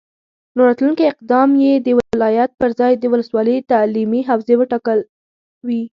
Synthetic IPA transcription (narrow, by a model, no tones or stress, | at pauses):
noɾɑt̪lunkiɪqd̪ɑmjed̪əwlɑjat̪̚pəɾzɑjd̪əwʊləswɑləjt̪alimiɦawzewəʈɑkəl | wi